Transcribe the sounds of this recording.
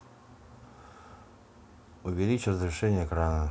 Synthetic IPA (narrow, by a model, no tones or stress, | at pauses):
ʊvʲɪlʲit͡ɕɪrəzɾʲɪʂɛnʲɪəkɾanə